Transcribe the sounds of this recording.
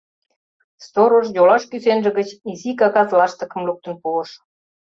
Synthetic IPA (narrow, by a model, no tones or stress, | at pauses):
st̪oɾoʃjolɑʃkysenʒə̆ɣə̆t͡ɕizikɑkɑzlɑʃt̪ə̆kə̆mluk̚t̪ə̆npuə̆ʃ